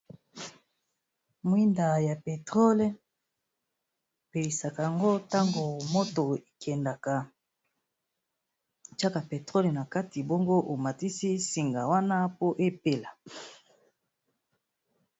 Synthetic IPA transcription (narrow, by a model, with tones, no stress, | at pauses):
mwi˦nda˨ja˨pe˨tʁo˦le˦ | pe˨li˨sa˨ka˨a˨ŋɡo˦ta˦ŋɡo˨mo˦to˨e˨kʰɛ˨nda˨ka˨ | t͡ʃa˦ka˨pe˨tʁo˦le˨na˨ka˦ti˨bo˦ŋɡo˦ʔo˨ma˨ti˦si˦si˨ŋɡa˨wa˦na˦po˦ʔe˦pe˦la˨